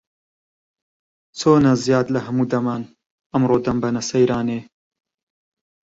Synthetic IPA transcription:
t͡sʰoːnɐzijaːd̪lɐhɐmuːd̪ɐmaːn | ɐmɾoːd̪ɐmbɐnɐsɐjɾaːneː

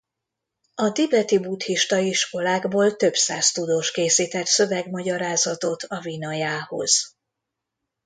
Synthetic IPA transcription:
ɒt̪ibɛt̪ibut̪hiʃt̪ɒiʃko̞laːɡboːlt̪ø̞bsaːst̪ud̪oːʃkeːsiːt̪ɛt̪sø̞vɛɡmɒɟɒɾaːzɒt̪o̞t̪ʰɒvinɒjaːho̞̰z̥

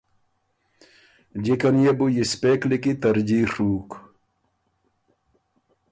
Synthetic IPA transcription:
d͡ʑikɐnjebujispeklikit̪ɐɾd͡ʑiʂuːk

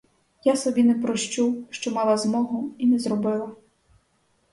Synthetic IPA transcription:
jasɔbʲinɛpɾɔʃt͡ʃuʃt͡ʃɔmɑlˠɐzmɔɦʊinɛzrɔbɪlˠɐ

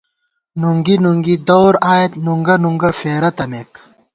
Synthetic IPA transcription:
nuŋɡinuŋɡid̪owɾaːjet̪nuŋɡɐnuŋɡɐfeːɾɐt̪ɐmek

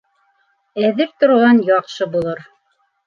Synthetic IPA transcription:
æðɘp̚t̪ŏɾuʁɑnjɑqʃɤbulˠɤɾ

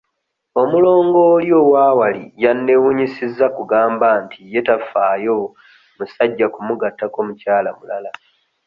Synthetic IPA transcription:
o̞mulo̞ːŋɡo̞ːljo̞ːwaːwalḭjanːe̞wuɲisizːakuɡaːmbantije̞tafːaːjo̞ | musaɟːakumuɡatːako̞mucaːlamulala

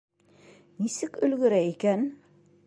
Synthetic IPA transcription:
nisɘkɵ̆lɡɵ̆ɾæikæn

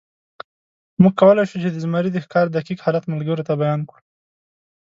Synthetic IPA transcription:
muɡ̚kawəlajʃut͡ʃed̪əzmɑɾid̪əxkɑɾd̪akikhɑlat̪malɡəɾot̪abajɑnkɽu

